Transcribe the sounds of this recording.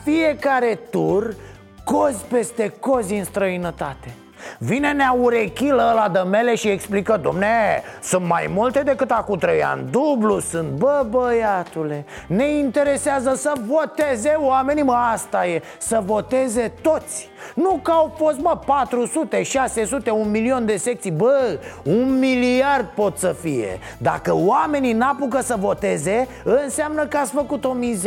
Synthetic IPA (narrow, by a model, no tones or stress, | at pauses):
fie̞kaɾe̞t̪ur | ko̞zʲpe̞st̪e̞ko̞zʲɨnst̪ɾəinət̪at̪e̞ | vine̞neauɾekʲiləlad̪əme̞le̞ʃieksplikəd̪o̰mnesunt̪ma̰jmult̪e̞d̪e̞kɨt̪akumt̪ɾəja̰nd̪ublusunt̪̚bəbəjat̪ule̞ne̞int̪e̞ɾe̞seazəsəvo̞t̪e̞ze̞wame̞niməast̪aje | səvo̞t̪e̞ze̞t̪o̞t̪sʲ | nukawfo̞st̪̚məpat̪ɾusut̪e̞ʃase̞sut̪e̞unmilio̞nd̪esek̚t̪sijbəunmiliard̪̚po̞t̪səfije̞̰ | d̪a̰kəwame̞ninapukəsəvo̞t̪e̞ze̞ | ɨnseamnəkəatsʲfəkut̪o̞mize